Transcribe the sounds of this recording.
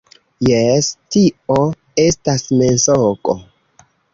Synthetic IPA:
jestio | e̞stasmensokʼo̰

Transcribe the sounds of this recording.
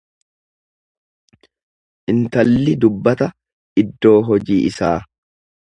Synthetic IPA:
ʔɪnt̪ɐlːɪd̪ʊbːɐt̪ɐ | ɪd̪ːo̞ːɦɔd͡ʒiːʔɪsaː

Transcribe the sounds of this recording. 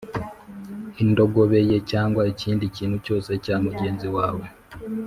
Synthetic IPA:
indo̞ɡo̞βe̞je̞caːŋɡwaeciːndiciːn̤huco̞ːse̞caːmuɟe̞ːnziwaːwe̞

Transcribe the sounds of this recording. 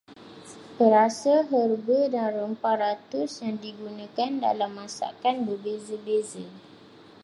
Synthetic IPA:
pəɾasaɦərbədanrəmparat̪ʊsjaŋdiɡunãkanda̰lamːãsa̰kanbəbezəbezə

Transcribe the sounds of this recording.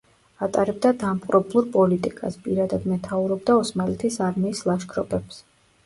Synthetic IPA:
at̪ʼaɾɛbd̪ad̪amqʼɾɔblˠuɾpʼɔlit̪ʼikʼaspʼiɾad̪ad̪mɛt̪ʰauɾɔbd̪aɔsmalɛt̪ʰisaɾmiːslˠaʃkʰɾɔpʼɛps

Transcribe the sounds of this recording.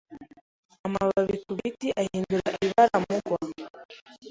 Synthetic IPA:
amaβaβikuɾitiʔahiːnduɾaʔiiβaɾamuɡwa

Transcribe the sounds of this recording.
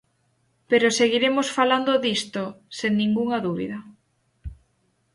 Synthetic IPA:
peɾoseɣiɾemosfaland̪oðist̪oseŋnĩŋɡuŋɐðuβḭðɐ

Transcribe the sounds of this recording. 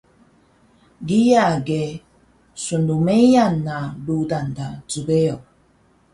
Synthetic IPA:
ɡijaɡe | sundumejanːaludandat͡subeo

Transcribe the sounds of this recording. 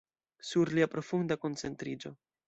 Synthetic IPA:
suɾliapɾo̞fundako̞nt͡se̞ntɾid͡ʒo̞

